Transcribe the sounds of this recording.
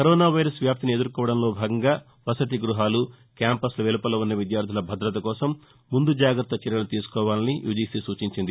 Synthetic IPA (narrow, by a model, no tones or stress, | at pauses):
kɐɾɔːnaːʋɐjɾɐsʋjaːp̚t̪inied̪ɐɾkɔːʋɐɽɐmlo̞ːbʱaːɡɐŋɡaː | ʋɐsɐt̪̬iɡɾuɦaːlu | kjaːmpɐslɐʋelupɐlɐunːɐʋid̪jaːɾd̪ʱilɐbʱɐd̪ɾɐt̪ɐkɔːsɐmː | und̪ud͡ʒaːɡɾɐt̪ːɐt͡ʃɛɾjɐlut̪iːsu̥kɔːʋaːlɐnijʔṵːd͡ʒiːsisuːt͡ʃiɲt͡ʃind̪i